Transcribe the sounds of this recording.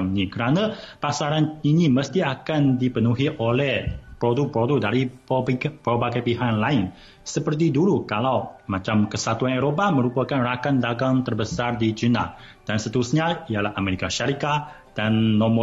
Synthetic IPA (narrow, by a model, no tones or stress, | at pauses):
mnikəɾanə̃pasaɾaniniməst̪iakandipənuɦiʔolɛhpɾoduk̚pɾodʊk̚daɾi | pɾobaɡajpiɦanlaɪn | səpərt̪̬iduɾukalawmat͡ʃamkəsat̪uaneɾopamə̃ɾupakanrakanlaɡaŋt̪ərbəsardid͡ʒina̰ | d̥ansət̪əɾusɲaijalahameɾikaʃaɾikat̪ | d̥anːɔ̃mɔ